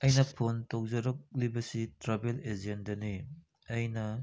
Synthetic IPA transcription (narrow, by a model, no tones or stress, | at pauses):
ɐjnɐpʰontok̚zɐɾɔk̚libɐsitɾabeled͡ʒendɐni | ɐjnɐ